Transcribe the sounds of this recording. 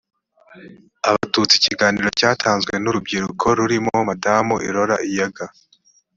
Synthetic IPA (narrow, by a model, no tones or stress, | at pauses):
aβatut͡siciɡaːniɾo̞caːtʰaːnzɡwe̞nuɾubɡiɾukʰo̞ɾuɾimomadaːmuʔiɾo̞ɾaʔijaɡa